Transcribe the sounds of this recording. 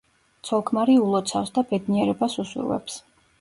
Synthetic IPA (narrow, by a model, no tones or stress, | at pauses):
t̪sʰɔlˠkʰmaɾiulˠɔt̪sʰafsd̪abɛd̪niɛɾɛbasuswḭvɛ̰ps